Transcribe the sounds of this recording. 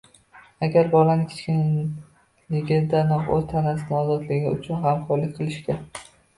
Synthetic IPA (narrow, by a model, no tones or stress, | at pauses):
aɡʲaɾbɒlanɪkʲʰe̥t͡ʃʲkʲɪn | lɪɡʲɪd̪anɒqozt̪ʰanas̬ɪnɪɒzɒd̪lɪɡʲɪʊ̰t͡ʃʰʊnhamqʰɒɾlɪkʲqʰɨlˠɪʃt̪ʲɪ